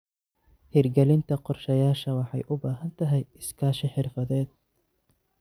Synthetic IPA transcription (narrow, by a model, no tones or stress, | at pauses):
hirɡɛlɪnt̪ʰɐqɔrʃɐjaːʃɐwɑħɑ̰jʔʊbaːɦɐnt̪ʰɐɦɛjɪskʰaːʃɪħɪrfɐðɛːd̪̚